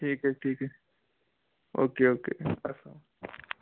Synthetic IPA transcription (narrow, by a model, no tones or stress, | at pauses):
ʈʰiːkɦɛʈʰiːkɦɛ | oːkeoːkḛɐsã